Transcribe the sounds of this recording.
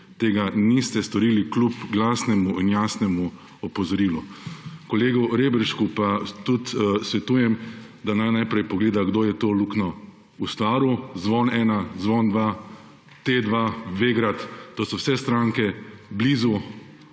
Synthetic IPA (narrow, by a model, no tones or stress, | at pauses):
t̪eːɡanist̪ɛst̪ɔɾiːliklupɡlaːsnɛmuʔinjaːsnɛmu | ɔpɔzɔɾiːlukɔleːɡɔɾeːbɛɾʃkupat̪ut̪sʋɛt̪uːjɛmd̪anajnajpɾɛjpɔɡleːd̪aɡd̪oːjɛt̪oːluknɔ | ust̪ʋaːɾuzʋɔnɛːnazʋɔnd̪ʋa | t̪ed̪ʋaːʋeːɡɾat̪ːoːsɔwsɛst̪ɾãːŋkɛbliːzu